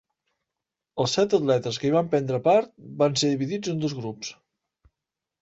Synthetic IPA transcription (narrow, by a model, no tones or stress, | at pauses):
əlˠsɛt̪ət̪lɛt̪əskəiβampɛnd̪ɾəpaɾt̪̚banseðiβiðid͡zənd̪ozɣɾups